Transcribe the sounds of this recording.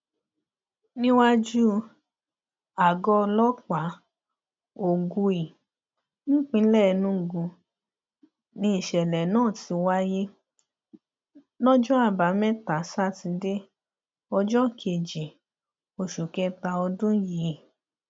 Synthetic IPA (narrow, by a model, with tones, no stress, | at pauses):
nĩ˦wa˦d͡ʒu˦ | a˨ɡɔ˧lɔ˦k͡pa˨˦ | o˨ɡu˧i˨ | ñ̩˦k͡pĩ˧˦lɛ˦˨˧nũ˧˨ɡũ˧ | nĩ˧˦i˨ʃɛ˨lɛ˨nãː˦˨ti˧wa˦je˦ | nɔ̃˦d͡ʒɔ˦a˦˨ba˨˦mɛ˦ta˨˦sa˦ti˧de˦ | ɔ˧d͡ʒɔ˦˨kʰe˨d͡ʒi˨ | o˨ʃu˨kɛ˧˦ta˧ɔ˧dũ˦jiː˨˦˨